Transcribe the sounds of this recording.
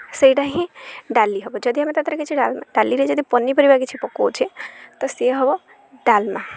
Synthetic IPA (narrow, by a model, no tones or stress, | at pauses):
səiɖaɦĩɖalːiɦəbod͡ʒəd̪iɦəmet̪ət̪ɾəket͡ʃʰiɖalmaɖalːiɾed͡ʒəd̪ipənːipəɾibaket͡ʃʰipɔkot͡ʃʰet̪ɔseɦəbo | ɖalma